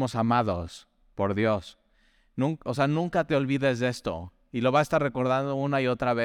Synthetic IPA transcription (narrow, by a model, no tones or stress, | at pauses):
mo̞samaðo̞s | po̞ɾðjo̞s | nũŋkose̞anũŋkat̪e̞o̞lβiðe̞zðe̞st̪o̞̰ | ilo̞βaest̪aɾre̞ko̞ɾðand̪o̞unaio̞t̪ɾaβe